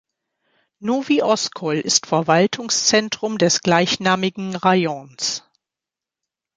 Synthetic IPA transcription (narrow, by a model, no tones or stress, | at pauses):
nuviːʔɔskʰɔlɪstfɛɐvaltʰʊŋst͡sɛntʁ̥ʊmdɛsɡ̥laɪçnaːmɪɡŋ̩ʁajɔns